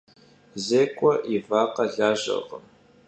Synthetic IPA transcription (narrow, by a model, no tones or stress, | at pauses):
zeːkʷʼɔʔivaːqɐɮaːʒɐ̰ʁəm